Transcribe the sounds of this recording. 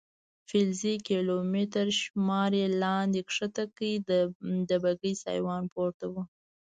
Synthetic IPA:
fɪlzikelomet̪aɾʃmɑɾelɑnd̪ekʂət̪akəid̪d̪əbaɡəjsɑ̰jwɑnpoɾt̪awu

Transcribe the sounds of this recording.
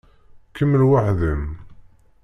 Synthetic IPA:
kəmːlwaħðəm

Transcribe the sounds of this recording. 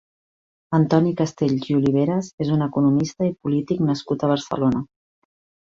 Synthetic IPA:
ənt̪ɔnikəst̪eʎʒiuliβ̞eɾəzezunəkunumist̪əipulit̪iknəskut̪əβ̞əɾsə̰lonə

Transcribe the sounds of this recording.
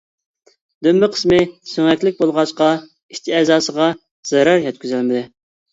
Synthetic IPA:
d̪ømːɪqʰə̥smɪsøŋɛkʲlɪk̚ʲbolˠʁɑʃqɑ | iʃt͡ʃ̪ʰiɛzɑːsəʁɑ | z̥ɛɾɑɾjɛt̪̚kʲʰyzælmɪd̪ɪ

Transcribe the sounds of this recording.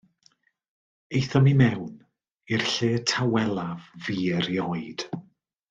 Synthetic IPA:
ejθɔmimɛwn | irɬeːtʰawɛlˠavviːəɾjɔɨd̥

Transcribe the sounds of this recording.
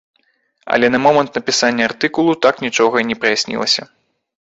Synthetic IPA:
ɐ̰lʲɛnɐmɔmɐnt̪nɐpʲisanʲːɐart̪ɨkulˠut̪aknʲit͡ʂɔɣɐnʲɛpɾɐjasʲnʲḭlˠɐ̰sʲɐ

